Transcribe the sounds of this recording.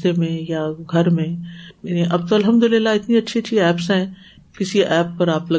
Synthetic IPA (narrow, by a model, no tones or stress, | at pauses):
t̪emẽjaɡʱɐɾmẽ | ʔɐb̚t̪oɐlɦɐmd̪ʊlɪlːaɪt̪nĩɐtːʃʰiətːʰiɛːpsaɦɪ̃ | kɪsiɛːpːɐɾaːplɐ